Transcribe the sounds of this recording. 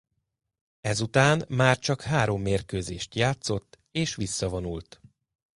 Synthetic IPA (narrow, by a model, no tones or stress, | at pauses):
ɛzut̪aːnmaːrt͡ʃɒkhaːɾo̞mːeːrkøːzeːʃt̪jaːt̪so̞t̪ː | eːʃʋisːɒvonult̪